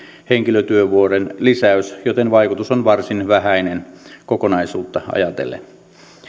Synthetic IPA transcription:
heŋkiløt̪yøʋuorenlisæysjot̪enʋɑikut̪usonʋɑrsinʋæhæinenkokonɑisuːt̪ːɑɑ̰jɑt̪ḛlːḛ

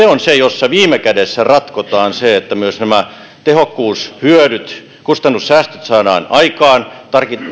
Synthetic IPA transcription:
eonsejosːɑʋiːmekædesːærɑt̪kot̪ɑːnseet̪ːæmyøsnæmæ | t̪ehokːuːshyøɾyt̪ | kust̪ɑnːussæːst̪ø̥t̪sɑːdɑːnɑikɑːnt̪ɑrki

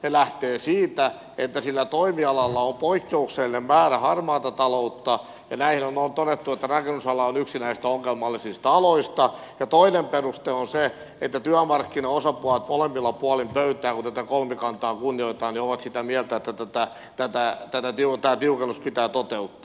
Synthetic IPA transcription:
nelæht̪eːsiːt̪æ | et̪ːæsilːæt̪oimiɑlɑlːɑompoikːeukselemmæːræhɑrmɑːt̪ɑt̪ɑlout̪ːɑ | jɑnæihinonoːnt̪odet̪ːuet̪ːærɑkenːysɑlɑonyksinæist̪æoŋːelmɑlːisist̪ɑɑloist̪ɑ | jɑt̪oinemperust̪eonse | et̪ːæt̪yæmɑrkːinɑosɑpuɑlt̪molemːilːɑpuɑlimpøyt̪æːkunt̪æt̪ækolmekɑnt̪ɑːkunːioit̪ɑːnioʋɑt̪sit̪æmiɛlt̪æet̪ːæt̪æt̪æ | t̪æt̪æt̪æt̪æt̪iut̪æːt̪iukenːuspit̪æːt̪ot̪eut̪ːɑ̥ː

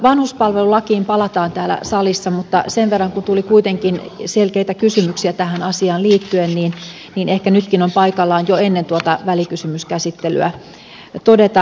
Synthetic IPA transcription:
ʋɑnhuspɑlʋelulɑkiːmpɑlɑt̪ɑːnt̪æːlæ̰sɑlisːɑmut̪ːɑseʋʋerːɑŋkunt̪ulikuit̪eŋkinselkeit̪ækysymyksiæt̪æhænɑsiɑːnliːt̪ːyenniːn | niːnehkænyt̪kinompɑikɑlːɑːnjoenːent̪uot̪ɑʋælikysymyskæsit̪ːely̰æ̰ | t̪odet̪ɑ

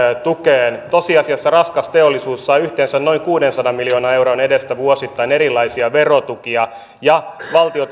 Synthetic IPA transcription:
t̪ukeːnt̪osiɑsiɑsːɑrɑskɑst̪eolːisuːsːɑiyht̪ensænno̞iŋkuːdensɑdɑmmiljoːnɑewɾonedest̪æʋuosit̪ːɑineɾilːˑɑisiɑʋerot̪ukiɑ | jɑʋɑlt̪iot̪

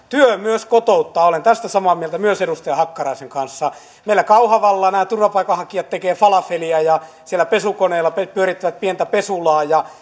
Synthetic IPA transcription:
t̪yømyøskot̪out̪ːɑːolent̪æst̪æsɑmɑːmielt̪æmyøsedust̪ehɑkːɑrɑiseŋkɑnsːɑ | meilːˑækɑuhɑʋɑlːɑːnæːt̪urʋɑpɑikːɑhɑkiɑt̪t̪ekeːfɑlɑfeliæjɑ | sielːˑæpesukoneːlːɑpepyøɾit̪ːæʋæt̪̚pient̪æpesulɑːjɑ

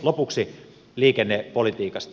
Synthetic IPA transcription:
lopuksi | liːkenːepolit̪iːkɑst̪

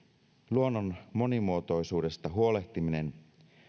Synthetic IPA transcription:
luo̞nːonmo̞nimuo̞t̪o̞jsuːde̞st̪ɑɦuo̞le̞ht̪imine̞n

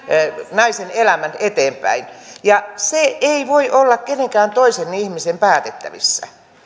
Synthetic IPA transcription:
nɑisenelæmænet̪eːmpæ̰injɑseeiʋoiʔolːɑkkeneŋkæːnt̪oisenːiihmisempæːt̪et̪ːæʋḭsːæ̰

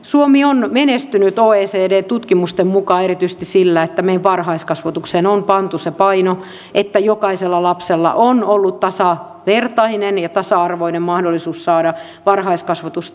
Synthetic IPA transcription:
suomionmenest̪ynyt̪oːeːseːdeːt̪ut̪kimust̪emmukɑːerit̪yise̥t̪issilːæet̪ːæmeijʋʋɑrhɑiskɑsʋɑt̪uksenompɑnt̪usepɑino | ʔet̪ːæjokɑiselːɑlɑpselːɑ̰ʔonolːut̪t̪ɑsɑ | ʋert̪ɑinenjɑt̪ɑsɑɑrʋoinemmɑhdolːisuːssɑːdɑ | ʋɑrhɑiskɑsʋɑt̪us

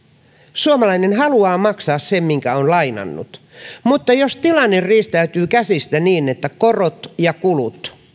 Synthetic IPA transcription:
suomɑlɑinenɦɑluɑːmɑksɑːssemmiŋkæonlɑinɑ̰nːṵt̪ | mut̪ːɑjost̪ilɑnːerriːst̪æyt̪yːkæsist̪æniːnet̪ːækorot̪jɑkulut̪

